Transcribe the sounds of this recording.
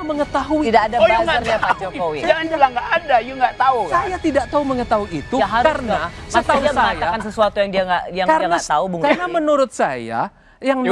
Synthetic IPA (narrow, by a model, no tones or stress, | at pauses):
məŋət̪aɦuiidaːdaasarɲapad͡ʒokowid͡ʒaŋad͡ʒlaŋɡaʔːdajuŋɡaʔt̪ausajat̪idaʔ̚t̪auməŋət̪aɦuiːt̪uaɦaarəna | smaət̪auaaŋajaakansəsuat̪ujaŋdiaŋɡaijaŋkaɾaŋnaat̪aubuŋkarnamənuɾʊt̪̚sa̰ja̰ | jaŋ